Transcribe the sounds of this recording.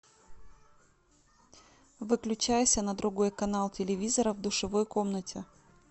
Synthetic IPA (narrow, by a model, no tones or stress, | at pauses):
vɨklʲʉt͡ɕæjɪsʲənəd̪ɾʊɡo̞jkɐnalˠtʲɪlʲɪvʲizəɾəvd̪ʊʂɨvo̞jko̞mnətʲɪ